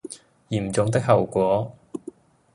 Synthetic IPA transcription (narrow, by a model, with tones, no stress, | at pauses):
jiː˨˩mt͡sʊ˨˧ŋt̪ɪ˥k̚hɐ˨˩wkʷɔː˨˥